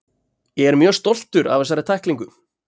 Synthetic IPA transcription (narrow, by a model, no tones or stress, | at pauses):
jɛɣɛɾmjœːɣst̪ɔl̥t̪ʏɾa̰vɛs̬aɾɪt̪ʰajhkliŋkʏ